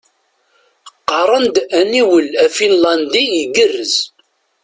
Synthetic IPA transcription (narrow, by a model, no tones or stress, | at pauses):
qːɑɾˤənd̪æniwəlæfinlɑnd̪ijəɡərːəz